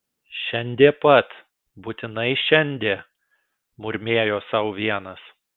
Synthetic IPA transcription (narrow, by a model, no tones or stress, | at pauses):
ʃʲɛnʲd̪ʲeːpɐt̪ | bʊt̪ʲɪnɐɪʃʲɛnʲd̪ʲeː | mʊɾʲmʲeːjoːsɐʊʋʲiɛnɐs